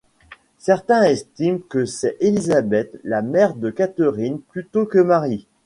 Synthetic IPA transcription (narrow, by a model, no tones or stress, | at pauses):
sɛʁt̪ɛ̃ɛst̪imkəsɛʔelizabɛt̪lamɛʁd̪əkat̪əʁinplyt̪okəmaʁi